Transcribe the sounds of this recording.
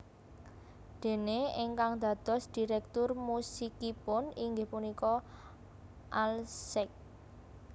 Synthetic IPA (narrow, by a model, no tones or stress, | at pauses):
d̪̥e̤neeŋkaŋd̪̥a̤d̪̥ɔ̤sd̪̥i̤ɾɛk̚t̪ʊrmusikipʊniŋɡehpunikɔ | ʔalsɪk̚